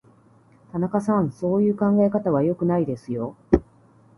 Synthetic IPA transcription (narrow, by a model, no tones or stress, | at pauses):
t̪anakasãɰ̃so̞ːjɯ̟ːkãŋɡae̞kat̪aβ̞ajo̞kɯ̟naid̪e̞sɨjo̞